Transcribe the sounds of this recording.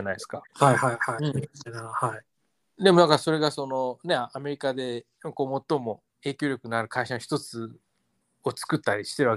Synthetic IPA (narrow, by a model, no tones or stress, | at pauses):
anaieskahajhaihanahai | d̪e̞moãŋkaso̞ɾe̞ɡaso̞no̞ne̞ame̞ɾʲikad̪e̞ | ko̞ːmo̞t̪ːo̞mo̞ | e̞ːkʲo̞ːɾʲokɯ̟naɾɯ̟kʰaiɕanoçi̥t̪o̞t͡sɨ | ot͡sɨ̥kɯ̟t̪ːaɾʲiɕi̥t̪e̞ɾɯ̟βa